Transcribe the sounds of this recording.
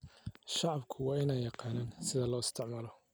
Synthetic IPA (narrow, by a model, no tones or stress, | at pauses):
ʃɑʕɑbkʰʊwɑːɪnɛjːɑqɑːnaːnsɪðɐlɔːɪst̪ʰɪʕmɐlɔ